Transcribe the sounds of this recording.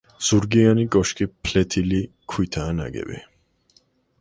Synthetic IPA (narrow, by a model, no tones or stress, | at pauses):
z̥uɾɡianikʼɔʃkʼipʰlɛt̪ʰili | kʰwit̪ʰaːna̰ɡɛ̰bḭ